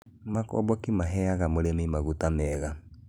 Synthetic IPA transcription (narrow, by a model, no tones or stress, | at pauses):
makɔ̰bɔkimaɦɛaɣamoɾemimaɣutamɛːɣa